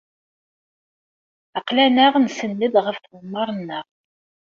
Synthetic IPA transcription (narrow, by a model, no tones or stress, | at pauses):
əqlænəʁnsənːəd̪ʁəfθwəmːɑɾˤənːəʁ